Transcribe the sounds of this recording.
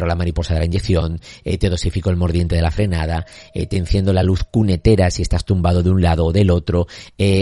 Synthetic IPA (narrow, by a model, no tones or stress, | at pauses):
ɾolamaɾipo̞saðe̞laind͡ʒe̞kθjo̞net̪eð̞o̞sifiko̞elmo̞ɾðje̞nt̪eeafɾe̞nað̞aḛt̪ẽn̟θje̞nd̪olaluθkune̞t̪e̞ɾasie̞st̪ast̪umbað̞o̞ðunlað̞oːðe̞lo̞t̪ɾo̞e